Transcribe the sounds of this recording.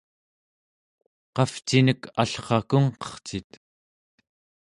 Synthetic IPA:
qɑft͡ʃinəkaɬχɑkuɴqʌ̥χt͡sit̪

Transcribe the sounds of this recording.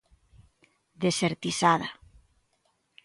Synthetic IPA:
d̪eseɾt̪isaða

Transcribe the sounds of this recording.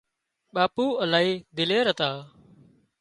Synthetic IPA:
ɓaːpuːəlaːɦiːd̪ɪleːɾət̪aː

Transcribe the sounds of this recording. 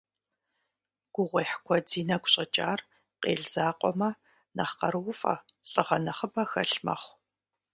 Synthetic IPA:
ɡ̥ʷʊʁʷeːħkʷʰɔd͡ziːnɐɡʷɕʼɐt͡ʃʼaːr | qʼḛːɮz̥aːqʷʼɔmɐ | nɐχqɐrwʊfʼɐ̰ɬʼəʁɐnɐχəbɐxɐ̰ɬmɐ̰χʷ

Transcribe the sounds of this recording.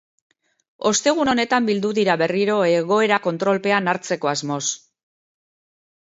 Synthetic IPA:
o̞st̪e̞ɣ̞uno̞ne̞t̪ambild̪uðiɾaβe̞riɾo̞e̞ɣo̞e̞ɾako̞nt̪ɾo̞lpe̞anaɾt͡se̞ko̞azmo̞s

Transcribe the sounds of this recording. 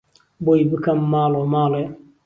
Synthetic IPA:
bojibɨkɐmːaːlɔmaːlɔ

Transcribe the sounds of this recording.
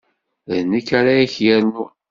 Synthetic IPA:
ðənːikːaɾaiçjæɾnu

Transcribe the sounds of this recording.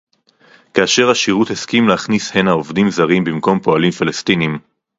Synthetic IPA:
kaːʃe̞ʁhaʃiʁutheskimleaχnishenhaovdimzaʁimbimko̞mpo̞alimfilestinim

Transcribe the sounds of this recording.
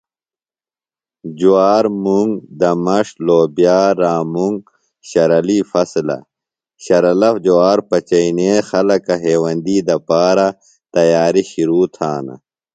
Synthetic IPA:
d͡ʑuaːɾmuŋɡd̪ɐmɐʂloːbjaːɾaːmuŋɡ | ɕɐɾɐliːfɐslɐ̰ | ɕɐɾɐlɐfd͡ʑuaːɾpɐt͡ɕɐineːxɐlɐkɐɦeːwɐnd̪iːd̪ɐpaːɾɐ | t̪ɐjaːɾiɕiɾuːt̪ʰaːnɐ̰

